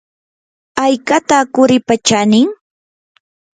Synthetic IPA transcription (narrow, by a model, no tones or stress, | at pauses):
ajkat̪aːkʊɾɪpat͡ʃanɪŋ